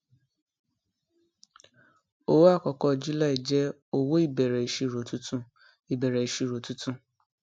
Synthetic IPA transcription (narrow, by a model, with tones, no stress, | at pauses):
o˦wo˦a˦˨kɔ˨kɔ˧˨d͡ʒu˦la˦i˨d͡ʒɛ˦ | o˦wo˦i˦˨bɛ˨ɾɛ˨i˨ʃi˧˨ɾo˨tu˦tũ˦ | i˨bɛ˨ɾɛ˨i˨ʃi˧˨ɾo˨tu˦tũ˦